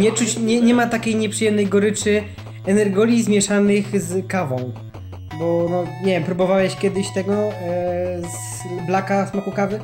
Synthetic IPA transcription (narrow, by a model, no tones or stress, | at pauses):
ɲɛt͡ʂut͡ɕɲɛɲɛmat̪akʲejɲɛpʂɨjɛmnɛjɡɔɾɘt͡ʂɘ | ɛnɛɾɡɔlʲizmʲjɛʂanɘxzkavɔ̃w̃ | bɔnɔɲɛvjɛmpɾubɔvawɛɕkʲjɛd̪ɘɕt̪ɛɡɔ | z | blakasmɔkukavɘ